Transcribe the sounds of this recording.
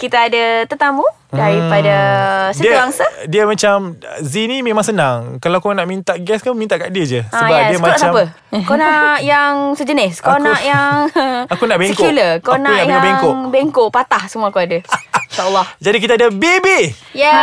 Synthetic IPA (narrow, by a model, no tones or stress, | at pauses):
kit̪aːdat̪ət̪amu | daɾipadasdəiaŋsədiəmat͡ʃamzinĩmẽmãŋsənaŋkalakunaʔmint̪aʔɡɛskanmint̪aʔkaʔdiəd͡ʒəsaəbaaiəmaaʔt͡ʃsapə | konajaŋsəd͡ʒənɪskoknʔjaŋakunaʔbekouləkonaunajaabeŋkŋobeŋkoʔpat̪ahsəmuakuadaiʃaəlːɔhd͡ʒadik̬it̪adabebe | ja